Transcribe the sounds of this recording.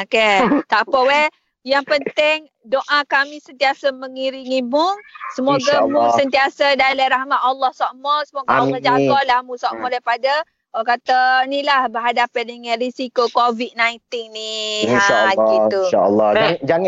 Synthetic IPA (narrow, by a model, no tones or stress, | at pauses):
oket̪aʔpəwe | jaŋpənt̪ɪŋ | doʔãkamĩsənt̪iasamə̃ŋiɾiŋimuŋsəmoɡamũsənt̪iasadalajɾahmãt̪̚alːɔhsɔʔmɔsəmoɡaalːɔhd͡ʒaɡɔʔlahmũsɔʔmɔ̃daipada | ɔkat̪anilahbəɦadapandəŋãnrisikokovit̪̚najnt̪inniaait̪ua̰lːɔd͡ʒaŋ